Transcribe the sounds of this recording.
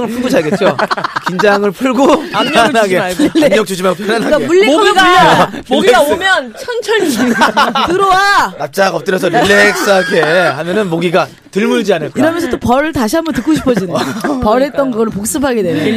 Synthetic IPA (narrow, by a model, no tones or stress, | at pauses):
ŋɯɭpʰuɡod͡ʑaɭɡet͡ɕ͈okind͡ʑaŋɯɭpʰuɭɡoaanaɡeɲʌk̚t͡ɕ͈od͡ʑimaɡopʰjʌnanakamuɭːeɡaoɡiɡaomjʌnt͡ɕʰʌnt͡ɕʰʌitɯɾowanap̚t͡ɕ͈aɡʌp̚t͈ɯɾjʌsʰʌɾiɭːek̚s͈aɡehamjʌnɯnmoɡiɡa | tɯɭmuɭd͡ʑianɯɭkiɾʌmjʌnsʰʌt͈opʌɾɯɭtaɕʰiɦambʌntɯk͈oɕʰi̥pʰʌd͡ʑinepʌɾɦe̞t̚t͈ʌnɡɯɡʌɾɯɭpok̚s͈ɯpʰaɡe̞dwen